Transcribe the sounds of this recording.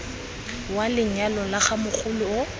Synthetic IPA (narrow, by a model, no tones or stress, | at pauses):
walɪɲ̩alɔlaχamʊk͡xʰʊlʊʊ